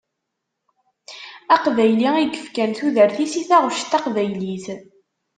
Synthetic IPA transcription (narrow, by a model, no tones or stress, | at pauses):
æqvæjliiɡəfkænθuðəɾθisiθæʁʊʃt̪ːɑqvæjliθ